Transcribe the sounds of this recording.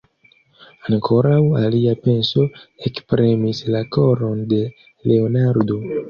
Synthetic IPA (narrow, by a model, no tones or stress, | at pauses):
ankʰo̞ɾawaliape̞nso̞ekspɾemislako̞ɾo̞nde̞ | le̞o̞naɾdo̞